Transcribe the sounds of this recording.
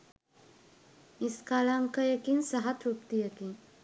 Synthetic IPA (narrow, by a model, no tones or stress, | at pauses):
iskaːlaŋkɐjɐkinsɐɦat̪ɾupt̪ijɐkin